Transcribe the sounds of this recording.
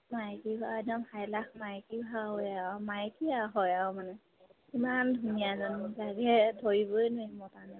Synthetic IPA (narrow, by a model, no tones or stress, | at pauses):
majkibʱaɛdɔmhajlak̚majkibʱaamajkiaɦɔjamanɛ | kimandʱunijazanzaɡɛdʰʱoɹibojnujmɔtanɛ